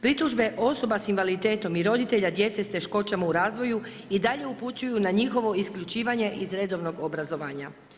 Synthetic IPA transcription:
pɾit̪uʒbe̞ʔo̞so̞basinʋalit̪e̞ːt̪o̞miɾo̞d̪it̪e̞ʎad̪je̞t̪sest̪e̞ʃko̞t͡ʃamauɾaːzʋo̞ju | id̪aʎe̞uput͡ɕujunaɲixo̞ʋo̞iskʎut͡ʃiːʋaɲe̞ʔizɾed̪o̞ʋno̞ɡobɾazo̞ʋaːɲa

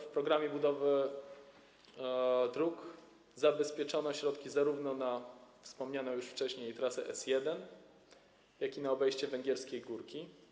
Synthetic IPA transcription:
fpɾɔɡɾamʲjɛbud̪ɔvɘ | d̪ɾuk | zabɛspʲjɛt͡ʂɔnɔɕɾɔt̪kʲizaɾuvnɔnafspɔmɲanɔjuʂft͡ʂɛɕɲejt̪ɾasɛʔɛsjɛd̪ɛn | jakʲinaɔbɛjɕt͡ɕɛvɛŋɡʲɛɾskʲejɡuɾkʲi

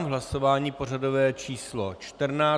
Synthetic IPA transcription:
mɦlaso̞vaːɲiːpo̞rado̞vɛːt͡ʃiːslot͡ʃt̪rnaː

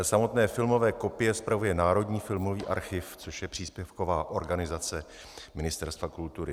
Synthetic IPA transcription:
samo̞t̪nɛːfɪlmo̞vɛːko̞pɪjɛspɾavujɛnaːɾo̞dɲiːfɪlmo̞viːʔa̰ɾxɪft͡soʃjɛpr̝̥iːspjɛfko̞vaːʔo̞ɾɡanɪzat͡sɛ | mɪnɪst̪ɛɾst̪vakult̪uɾɪ

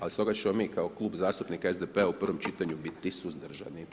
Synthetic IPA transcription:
alist̪o̞ɡat͡ɕemo̞miːkaoklˠuːbzaːst̪upnikaezd̪epeaupr̩ʋo̞mt͡ʃit̪aɲubit̪ːisuzd̪r̩ʒa̰ni

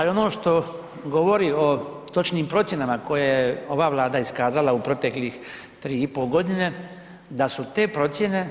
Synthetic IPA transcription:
alio̞noːʃt̪o̞ | ɡo̞ʋo̞ɾio̞t̪o̞t͡ʃniːmpɾo̞t̪je̞namako̞jejeo̞ʋaːʋlˠaːd̪aiskaːzalaupɾo̞t̪e̞klix | t̪ɾiːipoːlˠɡo̞d̪ine̞ | d̪asut̪e̞ːpɾo̞t̪sje̞ne̞

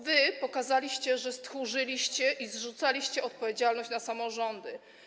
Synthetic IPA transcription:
vɘpɔkazalʲiɕt͡ɕɛʐɛst̪xuʐɘlʲiɕt͡ɕɛʔizʐut̪salʲiɕt͡ɕɛɔt̪̚pɔvʲjed͡ʑalnɔɕt͡ɕnasamɔʐɔnd̪ɘ

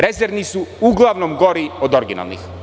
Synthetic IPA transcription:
ɾɛzɛɾvnisuuɡlˠavnɔmɡɔɾiod̪ɔɾɡina̰lˠnḭx

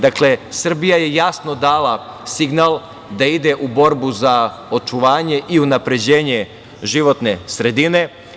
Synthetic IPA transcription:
d̪akle̞sr̩bijaje̞jasno̞d̪aːlasiɡnalˠ | d̪aid̪e̞ʔubo̞ɾbuzao̞t͡ʃuʋaːɲe̞ʔiunapɾe̞d͡ʑeːɲe | ʒiʋo̞t̪ne̞sɾe̞d̪ine̞

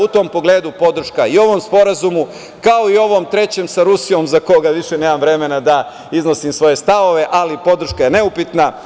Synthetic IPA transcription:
ut̪o̞ːmpo̞ɡle̞ːd̪upo̞d̪r̩ʃkaio̞ʋo̞mspo̞ɾazumu | kao̞io̞ʋo̞ːmt̪ɾe̞t͡ɕe̞msaɾusijo̞mzako̞ɡaʋiʃeneːmamʋɾe̞me̞nad̪a | izno̞simsʋo̞je̞st̪aʋo̞ʋe̞ʔalipo̞d̪r̩ʃkaje̞ne̞upit̪na

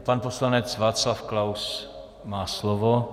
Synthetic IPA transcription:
panposlanɛt͡svaːt͡slafklaws | maːslovo

